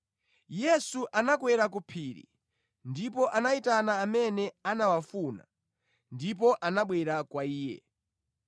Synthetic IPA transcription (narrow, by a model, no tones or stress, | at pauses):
jɛsuʔanakwɛɾak̬upʰiːɾḭ | ndipɔʔanaitanaːmɛnɛanawafuna̰ | ndip̬ɔʔanaɓwɛɾakwaiːjɛ̰